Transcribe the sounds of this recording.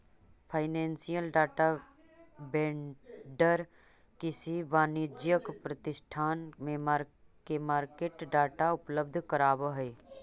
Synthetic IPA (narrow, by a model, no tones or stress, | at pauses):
pʰaɪnẽːnsijəlɖaːʈa | bẽːɳɖəɾ | kɪsibaːnid͡ʒjəkpɾət̪ɪsʈʰaːnmẽmaɾ | kemaːɾkeːʈɖaːʈaʊpləb̚d̪ʱkəɾaːbəɦɛː